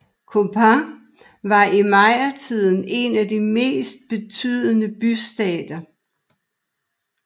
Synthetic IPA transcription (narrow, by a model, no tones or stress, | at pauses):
kʰo̝pʰa | ʋɑ̈imɑ̈ɪ̰ɐt͡sʰið̞̰ˠn̩e̝næd̥ime̝̰ːsd̥̚b̥e̝t͡sʰy̰ð̞̰ˠənəb̥ysd̥ɛːd̥ɐ